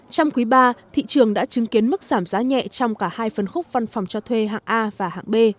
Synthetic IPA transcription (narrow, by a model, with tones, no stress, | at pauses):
t͡ɕɔ˧wŋ͡mkwi˨˦ɓaː˧t̪ʰḭ˧˨t͡ɕɨ˨˩əŋɗa̰ː˧˥t͡ɕɨ˨˦ŋki˨˦ənmɨ˦˥k̚z̥aː˧˩mzaː˨˦ɲɛ̰˧˨t͡ɕɔ˧wŋ͡mkaː˧˩haː˧jfə˨˩nxʊ˦˥k͡p̚va˧nfɔ˨˩wŋ͡mt͡ɕɔ˧t̪ʰwe˧ɦa̰ː˧˨ŋʔaː˧vaː˨˩ha̰ː˧˨ŋɓe˧